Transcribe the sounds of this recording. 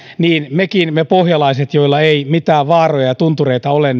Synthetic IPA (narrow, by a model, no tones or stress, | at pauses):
niːnmekinmepohjɑlɑiset̪joilːɑeimit̪æːʋʋɑːrojɑjɑt̪unt̪ureit̪ɑolen